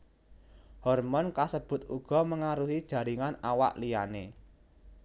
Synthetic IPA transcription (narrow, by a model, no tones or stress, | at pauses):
hɔrmɔnkasəb̥ʊ̤t̪uɡ̥ɔ̤məŋaɾuɦid̥ʒ̥ä̤ɾiŋanawa̰ʔlijane